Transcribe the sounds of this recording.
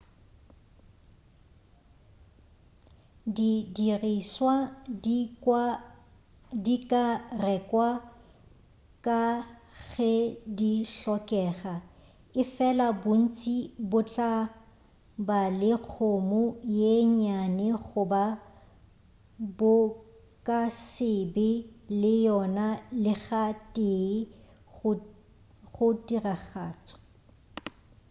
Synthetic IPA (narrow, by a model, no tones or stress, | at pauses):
didiriswa | dikʼarɛkʼwa | kʼaɣɛdiɬɔkʼɛːɣa | ɪfɛlabʊn̩t͡sʼibʊt͡ɬʼa | balɪq͡χʰomʊjeɲanɛχʊba | bʊ | kʼasɪbɪlɪjɔnalɪɣatʼe | ɣʊtiraɣaːt͡sʼɔ̥